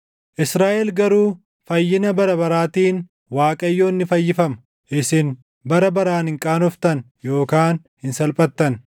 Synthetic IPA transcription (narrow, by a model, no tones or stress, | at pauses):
ʔɪsɾaːʔɛlɡɐɾuː | fɐjːɪnɐbɐɾɐbɐɾaːt̪iːn | waːkʼɐjːoːnːɪfɐjːɪfɐmɐ̥ | ʔɪsɪn | bɐɾɐbɐɾaːnhɪŋkʼaːnɔft̪ɐn | jo̞ːkaːn | hɪnsɐlpʼɐt̪ːɐn